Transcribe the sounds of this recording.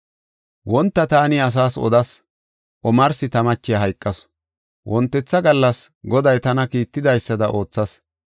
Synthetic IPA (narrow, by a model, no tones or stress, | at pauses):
wɔnt̪ːɐt̪aːnɪɐs̬aːsɔ̰d̪ɐs | ʔɔmɐɾsɪt̪ɐmɐt͡ʃːɪjɐɦɐjkʼːɐs | wʔɔnt̪ːɛt͡sːɐɡɐlːɐsɡɔd̪ɐjt̪ɐnɐkiːt̪ːɪd̪ɐjsːɐd̪ɐʔo̞ːt͡sːɐs